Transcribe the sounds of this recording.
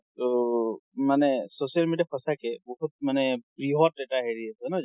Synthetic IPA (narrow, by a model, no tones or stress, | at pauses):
t̪ɔ | manɛsosijalmediapʰɔsakɛbɔɦut̚manɛpɹiɦɔt̚etaɦeɹiasɛnɔ